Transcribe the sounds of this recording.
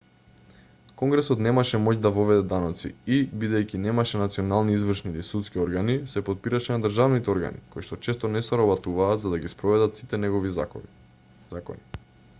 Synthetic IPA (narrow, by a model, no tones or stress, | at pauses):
kɔŋɡɾɛsɔt̪nɛmaʃɛmɔcd̪avovɛd̪ɛd̪anɔt̪sḭibid̪ɛjcinɛmaʃɛnat̪siɔnalˠniizvrʃnilisut̪skiɔɾɡanisɛpot̪̚piɾaʃɛnad̪r̩ʒavnit̪ɛɔɾɡa̰nḭkojʃt̪ɔt͡ʃɛst̪ɔnɛsɛɾɔbat̪uvaːt̪zad̪aɡispɾɔvɛd̪at̪sit̪ɛnɛɡɔvi | zakɔ̰ni